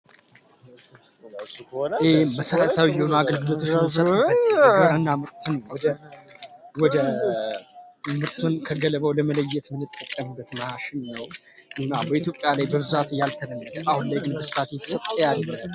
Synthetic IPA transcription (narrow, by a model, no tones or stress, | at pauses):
eməsəɾət̪ʰawijːɛhonuaɡəlɡɨlot̪ʰo̞t͡ʃmsəəɨnːamɨɾt̪ʰunəwwɔd̪ə | wɔd̪ə | mɨɾt̪ʰunkʰəɡələβəwləmələjːɛt̪mɨnːɨt̪ʼːəkʼːəmɨbːət̪maaʃɪnnəw | ʔɨnːabəit̪jo̞pʼjalajbəβɨzat̪jalt̪ʰəd̪əmːəd̪əahunlajɡɨnbəsɨ̥fat̪jɛt̪ʰəsət̪ʼːəjalːəm